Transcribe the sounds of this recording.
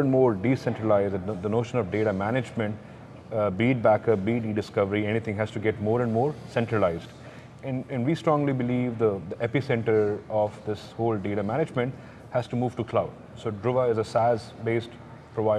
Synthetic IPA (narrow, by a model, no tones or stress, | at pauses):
ɛ̃nmoːɾɖiːsɛ̃ɳʈɾəlaɪzd̪ənoːʃə̃nɔʋɖeːʈamænɪd͡ʒmɛ̃ɳʈ | biːʈ̚bækəbiːɖiːɖɪskʌʋəɾiɛnit̪ʰɪ̃ŋɦæz̥ʈuɡɛʈ̚moːɾɛ̃ɳɖmoːɾsɛ̃ɳʈɾəlaɪzɖ | ɛ̃nɛ̃nɖʋiːsʈɾɔ̃ŋlibɪliːʋd̪əd̪əʔɛpisɛ̃ɳʈəɾɔʋd̪ɪshoːlɖeːʈamæñɪd͡ʒmə̃ɳʈ | hæz̥ʈumuːʋʈukʰlaʊɖ | soːɖɾʊʋaɪzəsæzbeːsʈ | pɾoʋaɪ